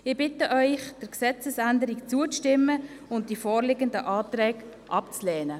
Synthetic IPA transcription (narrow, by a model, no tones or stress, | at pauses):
ɪb̥ɪtəʔœʏχd̥əɾksɛt͡səsændəɾikt͡suət͡stɪmːə | ʊnt̚d̥ifɔːɾlɪɡəndəʔɑːt̪ɾɛːkʔɑpt͡slɛːnə